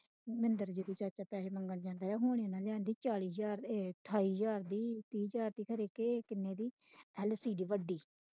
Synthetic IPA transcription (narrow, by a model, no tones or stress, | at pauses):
mɪnd̪əɾd͡ʒːd̪iːt͡ʃəɾt͡ʃaːpɛːʃeːməŋɡənd͡ʒãːnd̪aːɾɛːɦoːɽ̃iːnaːlãːnd̪iːt͡ʃaːliːsd͡ʒaːɾt̪ʰaːiːd͡ʒaːɾd̪iːt̪iːd͡ʒaːɾt̪iːkʰəɾeːkeːkɪnːeːd̪iː | ɛlsiːdiːʋəɖiː